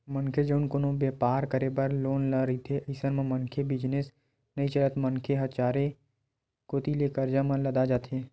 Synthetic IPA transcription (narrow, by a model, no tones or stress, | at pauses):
mənkʰed͡ʒoːnkʊnõbeːpaːɾkəɾebɐɾloːnləɾɐɦit̪ʰeʔəɪsənmẽmə̃nkʰebɪd͡ʒnes | nɐit͡ʃələt̪mə̃nkʰeɦɐt͡ʃaːɾe | kot̪ilekəɾd͡ʒamãlɐd̪ad͡ʒaːt̪ʰe